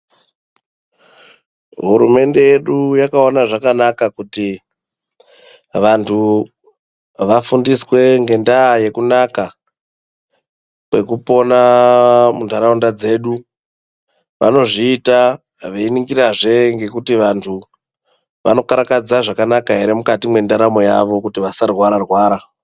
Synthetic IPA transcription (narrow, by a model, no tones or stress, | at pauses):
ɦuɾṵme̞nde̞je̞ɗujakao̞naʐakanakakuti | ʋantʰu | ʋafundiswe̞ŋɡe̞ndaːje̞kunaka | kwe̞kupo̞na | mundaɾaundad͡ze̞ːɗu | ʋa̰no̞ʐiːta | ʋeiniŋɡiraʐe̞ŋɡe̞kutiʋantʰu | ʋano̞kaɾakad͡zaʐakanakaɦe̞ɾe̞mukatimwe̞ndaɾamo̞jaʋo̞kutiʋasarwaɾarwaːɾa